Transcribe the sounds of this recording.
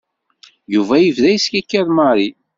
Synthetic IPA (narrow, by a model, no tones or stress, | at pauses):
juvæjivðæjiskækːæɾmɑɾˤi